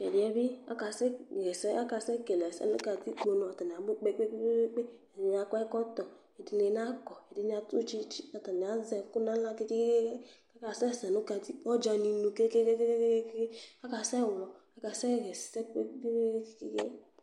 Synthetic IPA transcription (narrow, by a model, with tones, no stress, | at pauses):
e˨ɾi˨˦ɛ˦bi˦a̰˦ka˨sɛ˦˨ɣɛ˨sɛ˦a˦ka˨sɛ˦ke˨lɛ˨sɛ̰˨no̰˦ka˧˨ti˦k͡po˨no˨a˨ta˨n˨a˨ɡ͡be˦k͡pe˦k͡pe˦k͡pe˦e˦e˦k͡pe˦e˨di˦n˦a˦kɔ˦ɛ˦kɔ˦tɔ˨ | e˨di˨˦ne˨n˦a˦kɔ˨e˨di˦n˦a˨tu˦t͡ʃi˦t͡ʃi˦a˨ta˨ni˨a˨˦zɛ˨ku˦na˦la˦ke˦ki˦ke˦ke˦e˦ | a˦ka˨sɛ˦˨sɛ˨nu˦ka˧˨ti˦ɔ˦d͡ʒa˧ni˨nu˨ke˦ke˦ke˦ke˦ke˦ke˦ke˦ke˦ke˦a˦ka˨sɛ˦˨wlɔ˨a˦ka˨sɛ˦˨ɣɛ˨ssɛ˦k͡pe˦ke˦ke̥˨kḭ˦kḛ˦